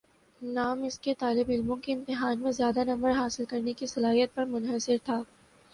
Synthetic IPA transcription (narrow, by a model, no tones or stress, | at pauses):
naːmɪsket̪aːlɪbɪlmõkiɪ̃nt̪ɪɦaːnmẽzjaːd̪anɐ̃mbəɾɦaːsɪlkɐɾnekisɐlaːɦijət̪̚pɐɾmʊnɦəsɪɾt̪ʰaː